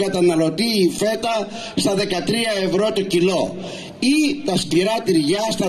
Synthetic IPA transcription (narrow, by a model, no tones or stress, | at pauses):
ɡɐt̪ɐnɐlo̞t̪iːfe̞t̪ɐ | st̪ɐðe̞kɐt̪ɾiɐe̞vɾo̞t̪ocilo̞ | it̪ɐst̪iɾɐt̪iɾʝɐst̪ɐ